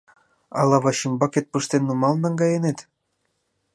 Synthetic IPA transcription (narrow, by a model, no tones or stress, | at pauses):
ɑ̰lɑβɑɕimbɑket̪̚pɯʃt̪enːumɑlnɑŋɡɑjenet̪